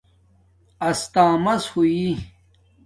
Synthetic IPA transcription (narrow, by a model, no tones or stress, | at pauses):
ɐst̪aːmɐshui